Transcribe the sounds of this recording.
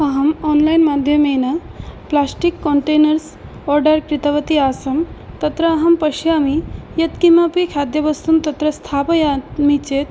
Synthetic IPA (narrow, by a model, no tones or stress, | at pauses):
ɐɦɐmɔːnlajnmaːd̪ʱjɐmenɐplaːsʈikːoɳʈeːnɐɾs | ɔːɾɖɐɾkɾit̪ɐʋɐt̪iaːsɐmt̪ɐt̪ɾɐːɦɐmpɐʃjamijɐt̪kimɐpikʰaːd̪jɐbɐst̪umt̪ɐt̪ɾɐst̪ʰaːpɐjamit͡ʃeːt̪̚